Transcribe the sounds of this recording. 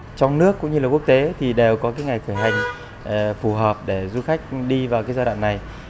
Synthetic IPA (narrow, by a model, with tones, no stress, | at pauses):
t͡ɕɔ˧wŋ͡mnɨ˦˥əkːʊ̰˧˥ŋ͡mɲɨ˧lːaː˨˩ku˦˥ək̚t̪e˨˦t̪ʰi˨˩ɗe˨˩wkɔ˨˦kaː˨˦jŋa˨˩jxəː˧˩jɦa˨˩jŋ̟˨˩ | fu˧˩ɦəː˨˩p̚ɗe˧˩zu˧xa˦˥jk̟̚ɗi˧vaː˨˩wkaː˨˦zaː˧ɗwa̰ː˧˨ŋna˨˩j